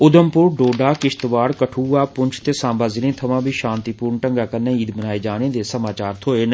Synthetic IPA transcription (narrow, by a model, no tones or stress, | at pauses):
ʊd̪əmpʊɾɖoːɖaːkɪʃt̪ʋaːɽkəʈʰuːaːpʊɲt͡ʃʰt̪eːsãːbaːzɪlẽːt̪ʰəʋãːbʱiːʃãːnt̪iːpuːɾnʈəŋɡaːkənːẽːiːd̪bənaːeːd͡ʒaːñẽːd̪eːsəmaːt͡ʃaːɾt̪ʰoːeːn